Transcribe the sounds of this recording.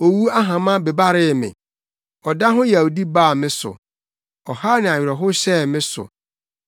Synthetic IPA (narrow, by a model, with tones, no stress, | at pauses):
o˨wu˦a˦ɦã˨mã˦be˨ba˦ɾɪ˦˨mɪ̰̃˨ | ɔ˨da˦ɦʊ̃˦jɛ˨o˨di˦baː˦˨mɪ̃˦sʊ̰˨ | ɔ˨ha˦nɪ̃˨a˨ɥᶣɾɛ˨ɦʊ˦ɕɛ˦˨mɪ̃˦sʊ̰˨